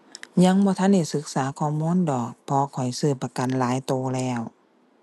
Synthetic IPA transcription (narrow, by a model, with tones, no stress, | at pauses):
ɲa˧˥˨ŋbɔː˧t̪ʰa˧˥˨nda˧˩jsɯ˧˦k̚saː˨˦kʰɔː˧˩muː˧˥˨ndɔː˨˩k̚pʰɔ˧kʰɔ˨˩jsɯː˧˩pːa˧ka˨nlaː˨˦jt̪oː˧lɛː˧˩w